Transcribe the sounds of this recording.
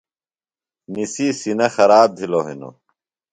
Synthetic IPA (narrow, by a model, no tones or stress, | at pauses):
nisisinɐxɐɾaːb̚d̪ʱiloɦḭno̰